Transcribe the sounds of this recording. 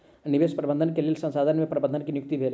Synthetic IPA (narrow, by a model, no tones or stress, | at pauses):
nɪʋeːʃpɾɐbə̃nd̪ʱənkelelsɐ̃nsaːd̪ʱənmẽpɾɐbənənkinjʊk̚t̪ibʱeːl